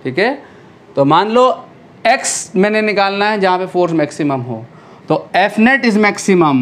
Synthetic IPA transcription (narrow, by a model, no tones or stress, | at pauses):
ʈʰiːkɦɛː | t̪oːmãːnloː | eksmɛ̃ːnenɪkaːlnaɦɛd͡ʒɐɦãpefʰoːɾsmɛːksɪməmɦo̰ː | t̪oːefʰneʈɪzmɛːksɪməm